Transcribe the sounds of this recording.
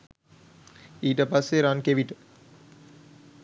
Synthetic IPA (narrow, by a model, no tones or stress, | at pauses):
iːʈəpasːeɾankeʋiʈə